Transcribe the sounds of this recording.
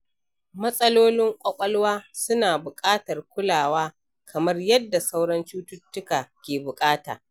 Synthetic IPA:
mɐ˦sʼɐ˦loː˦lɪ˦ŋkʷʼɐ˦kʷʼɐ˦lwaː˦sʊ˦naː˨bʊ˨kʼaː˦tɐ˨rkʷʊ˦laː˨waː˦ | kʰɐ˨mɐ˦rjɐ˦dːa˨sa˦wɽɐ˦nt͡ʃuː˦tʊ˦tːʊ˦kaː˨kʲeː˨bʊ˨kʼaː˦ta̰ː˨

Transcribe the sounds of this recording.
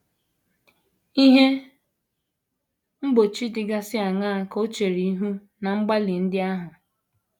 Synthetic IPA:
i˦ɦe˦ | m̩˦bo˨t͡ʃi˦dɪ˨ɡa˦sɪ˦a˨ŋaː˦˨ko˦t͡ʃe˨ɾi˨i˦ɦu˦ | na˨ŋ͡m̩˦ɡ͡ba˦lɪ˨n̩˦dɪ˦a˦ɦʊ˨

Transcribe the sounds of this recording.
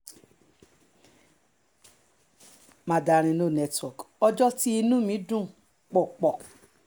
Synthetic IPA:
mã˨˧˨da˨˧ɾ̃ĩ˧nũ˦˨nɛ˧twɔ˨kɔ˧d͡ʒɔ˦ti˦i˧nũ˦mĩ˨˦dũ˦˨ | k͡pɔ˨k͡pɔ˨

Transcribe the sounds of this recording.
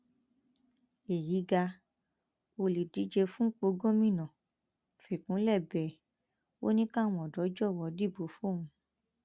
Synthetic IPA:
e˨ji˨˦ɡa˧ | o˧li˨di˨˦d͡ʒe˧fũ˦k͡po˧ɡõ˦mĩ˦˨nã˨ | fi˨kũ˨˦lɛ˦˨bɛ˨ | o˦nĩ˦kã˦˨w̃ɔ̃˨dɔ˨˦d͡ʒɔ˦˨wɔ˧˦di˦˨bo˨˦fo˦˨ũ˨˧˦

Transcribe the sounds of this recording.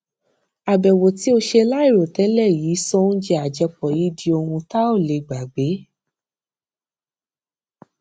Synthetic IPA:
a˨bɛ˨wo˨ti˨˦o˧ʃe˧la˦i˦˨ɾo˨tɛ˨˦lɛ˦˨jiː˨˦sɔ̃˦ñ̩˦d͡ʒɛ˧a˨d͡ʒɛ˧k͡pɔ˨ji˨˦di˧o˧hũ˧ta˦o˦˨le˨ɡ͡ba˨ɡ͡be˨˦

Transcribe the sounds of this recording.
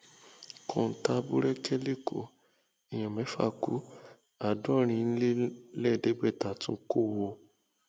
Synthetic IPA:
kʰɔ̃˨n̩˨ta˧˦bu˦ɾɛ˦kɛ˦le˦˨kʰo˨ | i˨j̃ã˨mɛ̃˨˦fa̰˦˨kṵ˨˦ | a˨dɔ˦˨ɾ̃ĩ˧˦˧n̩˦le˦lɛ˦˨de˨˦ɡ͡bɛ˦˨ta˨tũ˦ko˦˨wo˧

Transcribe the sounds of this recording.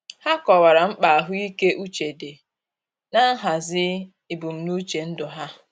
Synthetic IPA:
ha˦kɔ˨wa˨ɾa˨m̩˦k͡pa˨a˨ɦʊ˦i˦ke˦ʔu˦t͡ʃe˨de˨ | na˦ɦa˨zɪ˦ | i˨bu˨m̩˨nu˦t͡ʃe˨n̩˦dʊ˨ɦa˦

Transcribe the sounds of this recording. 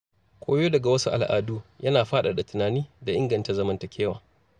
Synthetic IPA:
kʷʰoː˦joː˦dɐ˨ɡa˨wɐ˦su˦ʔa̰˨lʔa̰ː˨duː˦jɐ˦naː˨ɸaː˦ɗa˨da˨tʊ˨naː˨niː˦da˨ʔɪ˦ŋɡɐ˨nta˨zɐ˦mɐ˦ntɐ˨kʲʰeː˦waː˨

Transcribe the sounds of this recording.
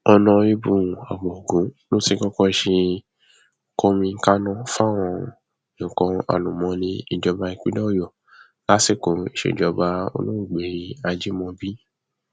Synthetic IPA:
ɔ˧nɔ̃˧i˦bũ˧˨a˨bɔ˨o˨ɡũ˨˦no˦ti˧˦kɔ˦kɔ˦i˧ʃe˧˦ | ko˦mĩ˧˦ka˦nɔ̃˦fa˦w̃ɔ̃˧ | nĩ˨kɔ̃˨˧a̰˨lũ˨mɔ̃˨˦nĩ˧i˧d͡ʒɔ˧ba˧i˧k͡pi˦dɔ˦˨jɔ˨ | la˦si˦˨ko˨i˨ʃḛ˧˨d͡ʒɔ˧ba˧o̰˧lõ˦ũ˦˨ɡ͡be˨ɾi˧a˧d͡ʒi˦mɔ̃˧bi˦

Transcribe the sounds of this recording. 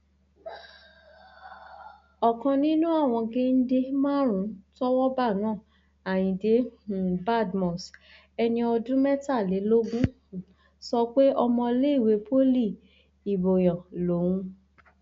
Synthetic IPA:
ɔ˨kɔ̃˧nĩ˦nũ˦a˦˨w̃ɔ̃˧ɡe˦n̩˦de˧mãː˦ɾ̃ũ˨˦tɔ˦wɔ˦ba˦˨nãː˦˨ | a˨j̃ĩ˨de˨˦˨ba˦˨dmɔ̃˨s | ɛ˧nĩ˧ɔ˧dũ˦mɛ˦ta˦˨le˨˦lo˦ɡũ˦˨ | sɔ˧k͡pe˦ʔɔ˧mɔ̃˧le˦i˦˨we˧˦pʰo˦li˦˨ | i˨bo˨j̃ɔ̃˨lo˨˦wũ˧

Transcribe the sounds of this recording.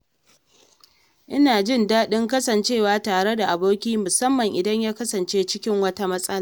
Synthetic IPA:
ʔɪ˦naː˨d͡ʒɪ˦˨ndaː˦ɗɪ˦ŋk̬ɐ˦sɐ˨nt͡ʃeː˦˨waː˦taː˨ɽe˦da˨ʔa˨boː˦kʲiː˦mʊ˨sɐ˦mːɐ˨ŋʔɪ˨dɐ˦ɲjaː˦kɐ˦sɐ˨nt͡ʃeː˦t͡ʃɪ˦kʲɪ˦ŋwɐ˦ta˦mɐ˦sʼɐ˦la˦˨

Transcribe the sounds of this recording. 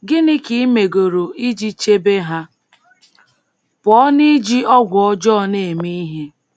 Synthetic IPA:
ɡɪ˦nɪ˦ki˦me˨ɡo˨ɾo˨i˦d͡ʒi˦t͡ʃe˦be˦ɦa˦ | pɔ˨˦ni˦d͡ʒi˦ɔ˦ɡʷʊ˨ɔ˦d͡ʒɔː˦ne˨mi˦i˦ɦe˦

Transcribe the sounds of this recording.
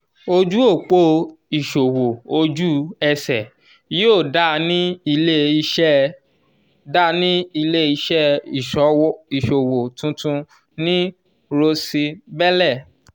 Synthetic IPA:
o˧d͡ʒu˦o˦˨k͡po˦i˨ʃo˨wo˨o˧d͡ʒu˦ɛ˧sɛ˨ | jo˦˨da˦˨nĩ˦i˧le˦i˧ʃɛ˦˨ | da˦nĩ˦i˧le˦i˧ʃɛ˦i˨ʃɔ˨˦wɔ˦i˨ʃo˨wo˨tũ˧˦tũ˧ | nĩ˦ | ɾo˧si˧bɛ˦lɛ˦˨

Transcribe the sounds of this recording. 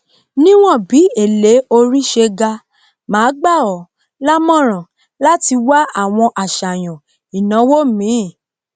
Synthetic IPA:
nĩ˦w̃ɔ̃˦˨bi˨˦e˦˨le˨˦o˧ɾi˦ʃe˧ɡa˧ | mãː˨˦ɡ͡ba˦˨ɔ˨ | la˦mɔ̃˦ɾ̃ɔ̃˨ | la˦ti˧wa˦a˦˨w̃ɔ̃˧ʔa˨ʃa˨j̃ɔ̃˨ | i˨nã˨˦wo˦mĩ˨˦˨

